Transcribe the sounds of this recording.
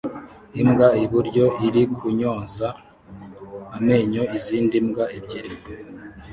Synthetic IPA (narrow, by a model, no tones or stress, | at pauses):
imɡaiβuɾɟo̞ʔiɾikʰuɲo̞ːnza | me̞ɲo̞iziːndimɡaebɟeɾi